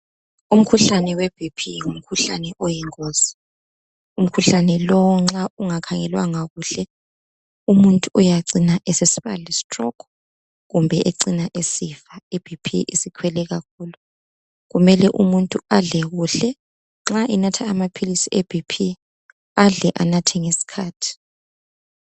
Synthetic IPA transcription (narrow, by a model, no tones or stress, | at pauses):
um̩kʰuɬanɛweb̥ʱipʰiwum̩kʰuɬanɛʔɔjɛŋozi̥ | um̩kʰuɬanɛlɔwɔŋ͡ǁauŋakʰaŋɛlwaŋaɣuɬɛ | umuntʼuujaǀinaʔesesiβa̰lɛsi̥trɔkʰɔ̥ | ɣumbʱɛʔeǀinaʔesifaeb̥ʱipʰḭʔḭsikʰwɛlɛɣak̚ʰuːlu | ɣumɛlɛʔumuntʼuaɮɛɣuɬɛ | ŋ͡ǁaʔinatʰaːmapʰilisieb̥ʱipʰi | aɮɛʔanatʰɛŋesi̥kʰaːtʰi̥